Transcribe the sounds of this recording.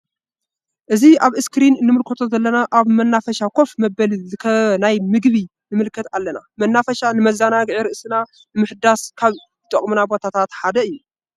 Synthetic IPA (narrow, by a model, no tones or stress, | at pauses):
ʔɨziaβɨskɾinnɨmɨlkʰɐt̪ʰo̞zɐlːɐnaʔaβmɐnːafɐʃakʰo̞fmɐbɐlzɨkʰɐnajmɨɡβi | nɨmɨlkʰɐt̪alːɐnamɐnːafɐʃanɨmɐzːanaɡʕiɾɨʔsɨna | nɨmɨħɨd̪askʰaβ | zɨt̪ʼɐkʼmunabo̞t̪ʰat̪ʰat̪ħad̪ɐɨjːu